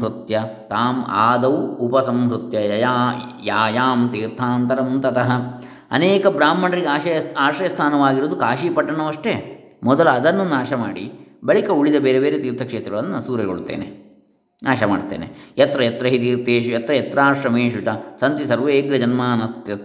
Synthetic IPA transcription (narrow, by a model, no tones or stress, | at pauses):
ɦɾut̪jɐt̪aːma̰ːd̪ɐʋuupɐsɐmɦɾut̪jɐɐjajaːjaːmt̪iːɾt̪ʰaːmt̪ɐɾɐmunt̪ɐt̪ɐɦɐ | ɐ̰neːkɐbɾaːm̤ːɐɳɐɾiɡeaːʃɐjɐaːʃɐjɐst̪ʰaːnɐʋaːɡiɾoːd̪ukaːʃipɐʈːɐɳɐʋɐʂʈe | mɔd̪ɐlɐːd̪ɐnːunaːʃɐmaːɽḭbɐɭikɐuɭid̪ɐbeːɾebeːɾet̪iːɾt̪ʰɐkʂeːt̪ɾɐɡɐɭɐnːunɐsuːɾɐɡo̰ɭut̪ːḛːne | naːʃɐma̰ːɖt̪ːḛːnejɐt̪ɾɐjɐt̪ɾɐɦit̪iːɾt̪eːʃujɐt̪ɾɐjɐt̪ɾaːɾʂɾɐmeːʃut͡ʃɐsɐnt̪isɐɾʋeːɡlɐd͡ʒɐnmaːnɐst̪jɐt̪